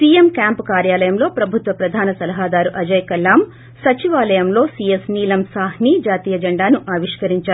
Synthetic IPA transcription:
siːemkjaːmpukaːɾjaːlɐjɐmlo̞ːpɾɐbʱut̪ʋɐpɾɐd̪ʱaːnɐsɐlɐɦaːd̪aːɾuʔɐd͡ʒɐjkɐlːaːm | sɐt͡ʃiʋaːlɐjɐmlo̞ːsijesniːlɐmsaːɦniːd͡ʒaːt̪iːjɐd͡ʒɐɳɖaːnuʔaːʋiʂkɐɾiɲt͡ʃaːɾu

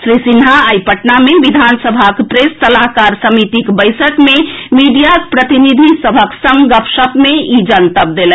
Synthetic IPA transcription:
sɾisinɦaajpəʈnameʋid̪ʱansəbʱakpɾesːəlakaɾsəmit̪ikbəjsəkmemiɖijakpɾət̪inid̪ʱisəbʱəksəŋɡəpʃəpmeid͡ʒənt̪əp̚d̪elɛ

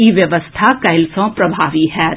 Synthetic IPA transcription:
iʋjɐʋəst̪ʰakɐɪlsɔ̃pɾɐbʱaːʋiɦɛː

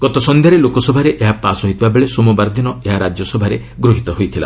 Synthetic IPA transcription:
ɡ̥ɔt̪ɔsɔnd̪ʱjaɾelokɔsɔbʱaɾeʔeɦapasɔɦit̪ʰibabeɭesɔmubaɾd̪inɔeɦaɾad͡ʒjɔsɔbʱaɾe | ɡɾuɦit̪ɔɦojt̪ʰila̰

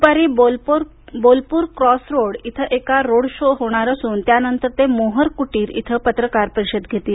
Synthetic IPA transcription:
paɾiːbolpɾ | bolpuːɾkɾɔsɾoɽit̪ʰəʔekaɾoɽɕoɦoɽ̃aɾəsuːnt̪janənt̪əɾt̪emoɦəɾkuʈiːɾḭt̪ʰəpət̪ɾəkaɾpəɾisəd̪ɡʱet̪iː

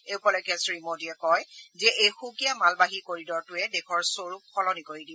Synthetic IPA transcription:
eʊpɔlɔkɛsɹimodiɛkɔjzɛʔejxukijamalbaɦikoɹidɔɹtʊɛdɛkʰɔɹsoɹup̚pʰɔlɔnikoɹidib

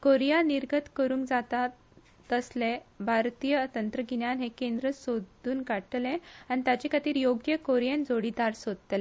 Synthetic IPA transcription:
koɾijaniɾɡət̪kəɾũːŋkd͡zat̪a | t̪əslebʱaɾt̪ijət̪ənt̪ɾəɡinjanɦekend̪ɾəsod̪ʱuːnkaʈleañit̪jat͡ɕekʰat̪iːɾjoɡjəkoɾijẽnd͡zoɽiːd̪aɾsod̪̚ət̪le

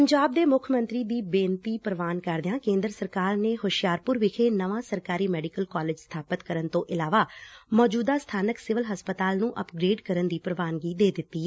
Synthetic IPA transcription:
pəɲd͡ʒaːb̚d̪eːmʊkʰmə̃nt̪ɾiːd̪iːbẽːnt̪iːpɾəʋaːnkəɾd̪ɪãːkẽːnd̪əɾəsəɾkaːɾneːɦoːʃjaːɾpʊɾʋɪkʰeːnəʋãːsəɾkaːɾiːmɛːɖɪkəlkɔːlɪːd͡ʒst̪ʰaːpət̪kəɾənt̪õːʔɪlaːʋaːmɔːd͡ʒuːd̪aːst̪ʰaːnəksɪʋəlɦəspət̪aːlnũːʔəpɡɾeːɖkəɾənd̪iːpɾəʋaːnɡiːd̪eːd̪ɪt̪ːiː

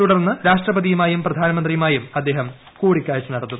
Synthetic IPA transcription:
uɽɐrnːɨɾaːʂʈrɐbɐðijumaːjumprɐd̪ʱaːnɐmɐnd̪rijumaːjumɐd̪ːe̞ːɦɐm | kuːɽikʲːaːjt͡ɕːɐnɐɾɐt̪ːu

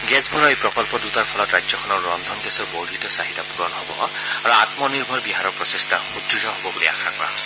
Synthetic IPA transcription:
ɡɛsbʱɔɾɔepɹɔkɔlpɔdutaɹpʰɔlɔtɹajd͡ʒjɔkʰɔnɔɹːɔnd̪ʱɔnɡɛsɔɹbowdʱitɔsaɦitapuɾɔnɦɔbɔ | aɹuatmɔniɹbʱɔɹbiɦaɾɔɹpɹɔsestʰaxud̪ɹitɔɦobɔbulia̰xʰakɔɹa̰s

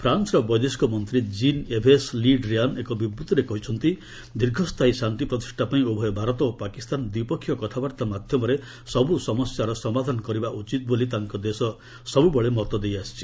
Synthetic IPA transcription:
pʰɾansɾɔbɔjd̪eskɔmɔnt̪ɾid͡ʒinebʱesliɖɾianekɔbibɾut̪ɔɾekɔɦit͡ʃʰɔnt̪i | d̪iɾɡʱɔst̪ʰajsant̪ipɾɔt̪i̥ʂʈʰapaĩobʱɔjɔbʱaɾɔt̪ɔopakist̪and̪wipɔkʰːjɔkɔt̪ʰabaɾt̪amad̪ʱjɔmɔɾe | sɔbusɔmɔsjaɾɔsɔmad̪ʱanɔkɔɾibaʔut͡ʃit̪̚bolit̪aŋkɔd̪esɔ | sɔbubɔɭemɔt̪ɔd̪ejast͡ʃʰi̥

